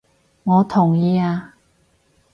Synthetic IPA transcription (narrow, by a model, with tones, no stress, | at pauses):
ŋɔː˨˧t̪ʰʊ˨˩ŋjiː˨˧aː˧